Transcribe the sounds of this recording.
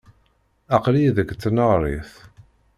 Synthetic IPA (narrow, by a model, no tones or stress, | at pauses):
ɑqliðəɡt͡sːnəʁɾˤiθ